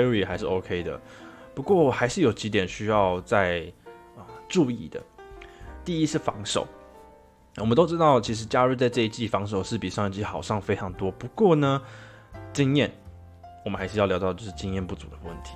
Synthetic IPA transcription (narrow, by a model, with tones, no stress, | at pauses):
i˨˩xa˧˥ɪʂɻ̩˥˩o˧˥ʊkʰe˥ɪd̪ə̰˨pu˧˥kwɔ˥˩xa˧˥ɪʂɻ̩˥˩jo˨˩ʊt͡ɕi˧˥t̪jɛ˨˩nɕy˥jɑ˥˧ʊt͡sa˥˧ɪə˩ʈ͡ʂu˥˧i˥˩d̪ə̰˩ | t̪i˥˩i˥ʂɻ̩˥˩fɑ̰˧˥ŋʂo̰˨˩˦ʊ | wɔ˨˩mə˦nt̪o˥ʊʈ͡ʂɻ̩˥t̪ɑ˥˩ʊt͡ɕʰi˧˥ʂ̬ɻ̩˧˥t͡ɕja˥ɻu˥˧t͡sa˥˧ɪʈ͡ʂɤ˥˧i˥t͡ɕi˥˩fɑ˧˥ŋʂ̬o˨˩ʊʂɻ̩˥˩pi˨˩ʂŋ˨˩t͡ɕi˧˥xɑ˨˩ʊʂɑ˥˩ŋfe˥ɪʈ͡ʂʰɑ˧˥ŋt̪wɔ˥pu˧˥kwɔ˥˩nə˩ | ʈ͡ʂə˥ŋjɛ˥˩n | wɔ˨mə˦nxa˧˥ɪʂ̩ɻ̩˥jljɑ˧˥t̪ɑ˥˧t͡ɕjo˥˧ʂɻ̩˥˩t͡ɕi˥ŋjɛ˥˧npu˥˩t͡sṵ˨˩d̪ə˦wə˥˩nt̪ʰi̥˨˦